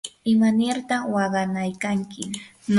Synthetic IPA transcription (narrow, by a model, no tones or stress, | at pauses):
ɪmanɪɾt̪aχwɑɢɑnajkaŋkɪ | n